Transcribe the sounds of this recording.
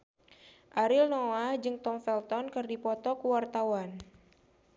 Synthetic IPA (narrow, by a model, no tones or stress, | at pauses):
ʔaɾilnɔad͡ʒɨŋt̪ɔŋfɛlt̪ɔnkɨrdipɔt̪ɔkuwart̪awan